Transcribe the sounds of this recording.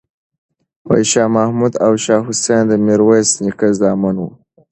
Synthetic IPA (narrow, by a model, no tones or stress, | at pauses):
wa̰jʃɑːmahmud̪awʃɑːɦʊsend̪əmiɾwajsnikazɑmanwu